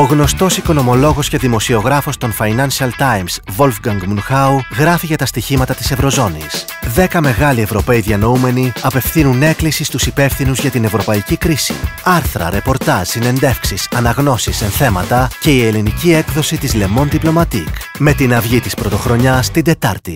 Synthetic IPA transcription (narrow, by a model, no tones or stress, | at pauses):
o̞ɣno̞st̪o̞siko̞no̞mo̞lo̞ɣo̞sce̞ðimo̞sio̞ɣɾɐfo̞st̪o̞nfɐjnɐnsiɐlt̪ɐjmsvo̞lfɡɐŋɡmunxɐuɣɾɐfiʝɐt̪ɐst̪içimɐt̪ɐt̪i̥se̞vɾo̞zo̞nḭs | ðe̞kɐme̞ɣɐlie̞vɾo̞pe̞iðiɐno̞ume̞niɐpe̞fθinune̞klisist̪usipe̞fθinuzʝɐt̪ine̞vɾo̞pɐicikɾisḭɐɾθɾɐ̰ɾe̞po̞ɾt̪ɐʒ̥sine̞nd̪e̞fksisɐnɐɣno̞sise̞nθe̞mɐt̪ɐce̞ie̞linicie̞kðo̞sit̪izle̞mo̞nðiplo̞mɐt̪ik | me̞t̪inɐvʝit̪ispɾo̞t̪o̞xɾo̞ɲɐst̪ind̪e̞t̪ɐɾt̪i